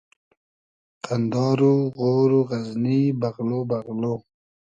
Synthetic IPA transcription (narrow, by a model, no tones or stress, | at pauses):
tʰand̪ɑːɾuɣoːɾuɣaznibaɣlobaɣlo